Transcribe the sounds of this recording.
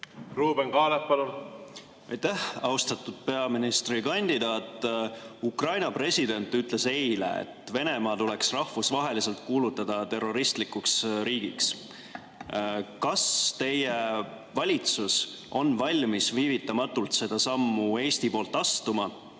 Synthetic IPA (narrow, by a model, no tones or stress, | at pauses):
ruːbeŋkɑːlet̚pɑlun | ɑjt̪æhɑwst̪ɑt̪ud̪̥̚pe̞ɑminist̪rikɑnʲd̪̥id̪̥ɑːt̪ːˑukrɑjnɑpre̞sʲid̪e̞nʲt̪ːˑyt̪ˑle̞se̞jlḛḛt̪ːˑve̞ne̞mɑːt̪ule̞ksrɑhvusvɑɦe̞lise̞lt̪̚kuːlut̪ːˑɑd̪̥ɑt̪e̞rːo̞ɾist̪likuksɾiːɡ̥iks | kɑst̪e̞je | vɑlʲit̪sus | ʔo̞nvɑlʲmisviːvit̪ːˑɑmɑt̪ːˑult̪se̞d̪̥ɑsɑmːue̞ːst̪ipo̞ːlt̪ːˑɑst̪umɑ